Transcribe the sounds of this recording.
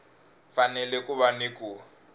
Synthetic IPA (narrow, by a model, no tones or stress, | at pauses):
fanɛlɛkʼʊβanɪkʼu